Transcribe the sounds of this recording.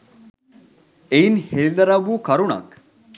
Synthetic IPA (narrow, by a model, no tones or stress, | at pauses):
einheɭilɐɾabuːkɐɾuɳɐ̰k